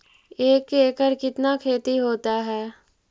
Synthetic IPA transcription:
eːkːeːkəɾkɪt̪nakʰeːt̪iɦoːt̪aɦɛː

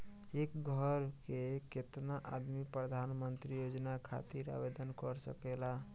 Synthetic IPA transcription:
ekɡʱəɾkeket̪naʔad̪mipɾəd̪ʱanmənt̪ɾijod͡ʒnakʰa̰t̪iɾa̰bed̪ənkəɾsə̰kela

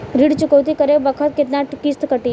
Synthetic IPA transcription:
ɾiɽt͡ʃukəwt̪̬ikəɾebəkʰət̪̚ket̪naʈkist̪kəʈiː

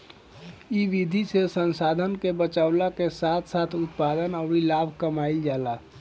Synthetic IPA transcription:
iʋid̪ʱisesənsaːd̪ʱənkebət͡ʃaʊlakesaːt̪ʰsaːt̪ʰʊt̪̚paːd̪ənɔʊɾilaːbʱkəmaːɪld͡ʒaːla

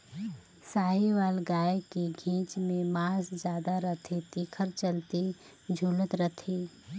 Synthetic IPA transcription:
saːɦiʋaːlɡaːekiɡʱĩːt͡ʃmẽmaːsd͡ʒjaːd̪aɾɐt̪ʰet̪iːkʰəɾt͡ʃəlt̪i | d͡ʒʱuːlət̪ɾət̪ʰiː

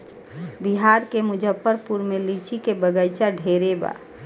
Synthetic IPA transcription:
biɦaɾkemʊd͡ʒʱəpːəɾpuɾmelit͡ʃʰikebəɡəjt͡ʃaɖʱeɾeba̰

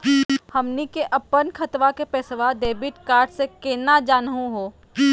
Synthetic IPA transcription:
hɐmnikeʔɐpːənkʰɐt̪ʋakepɛːsʋad̪eːbɪʈkaːɾʈsekeːnad͡ʒaːnɦũɦoː

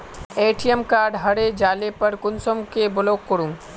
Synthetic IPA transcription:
eːʈijəmkaːɾɖɦɐɽed͡ʒaːlepɐɾkʊnsomkebʊloːkːʊɽũŋ

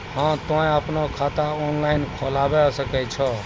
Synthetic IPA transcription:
hãːt̪oẽaːpnokʰaːt̪aoːnlaːɪnkʰoːlaːʋɛsəkɛt͡ʃʰɔ

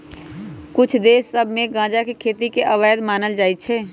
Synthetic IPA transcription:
kʊt͡ʃʰd̪eːsːəbʱmẽɡãːd͡ʒakekʰeːt̪ikeʔəʋaːjd̪maːnəld͡ʒaːit͡ʃʰɛː

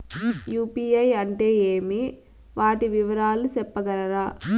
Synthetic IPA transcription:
juːpiːɐjɐɳʈeːeːmi | ʋaːʈiʋiʋɐɾaːlusɛpːɐɡɐɾɐɾaː

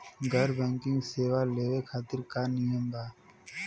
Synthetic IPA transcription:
ɡʱəɾbɛ̃ːŋkɪ̃ŋɡseːʋaːleːʋekʰaːt̪ɪɾkaːnɪjəmbaː

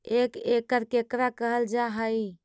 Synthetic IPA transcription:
ekekəɾkekɾakəɦəld͡ʒaɦəj

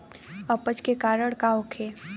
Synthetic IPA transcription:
əpət͡ʃkekaːɾəɽ̃kaʊkʰeː

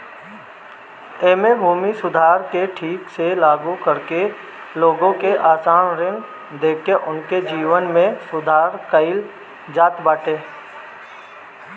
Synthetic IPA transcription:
eːmebʱuːmisʊd̪ʱaːɾkeʈʰiːkselaːɡukəɾke | loːɡõkeʔaːsaːnɾɪ̃n | d̪eːkʰːeʔʊnked͡ʒiːʋənmẽsʊd̪ʱaːɾkəɪl | d͡ʒaːt̪baːʈeː

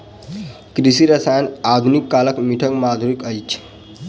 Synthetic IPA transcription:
kɾisiɾəsajnad̪ʱunikːaləkmiʈʰəkmad̪ʱuɾikəjt͡ʃʰ

